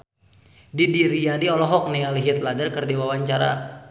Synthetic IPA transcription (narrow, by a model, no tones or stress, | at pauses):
didiɾiadiɔlɔɦɔk̚nialɦit̪̚ladərkərdawawaɲt͡ʃaɾa̰